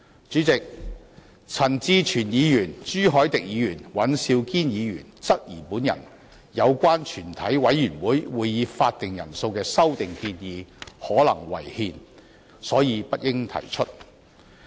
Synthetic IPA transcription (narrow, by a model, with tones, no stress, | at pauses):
t͡ʃyː˨˥t͡sɪ˨k̚ | t͡sʰɐ˨˩nt͡siː˧t͡ʃʰyː˨˩njiː˨˧jyː˨˩nt͡ʃyː˥ɦɔː˨˥jt̪ɪ˨k̚jiː˨˧jyː˨˩nwɐ˨˥nsiː˧wkiː˥njiː˨˧jyː˨˩nt͡sɐ˥t̚jiː˨˩puː˨˥njɐ̰˨˩n | jɐ˨˧wkʷaː˥nt͡ʃʰyː˨˩nt̪ʰɐ˨˥jwɐ˨˥jːyː˨˩nwuː˨˥jwuː˨˧jjiː˨˧faː˧t̚t̪ɪ˨ŋjɐ̰˨˩nso˧wkɛː˧sɐ˥wt̪ɪ˨ŋkiː˧njiː˨˧hɔː˨˥lɐ̰˨˩ŋwɐ̰˨˩jhiː˧n | sɔː˨˥jiː˨˧pɐ˥t̚jɪ˥ŋt̪ʰɐ̰˨˩jt͡ʃʰɵ˥t̚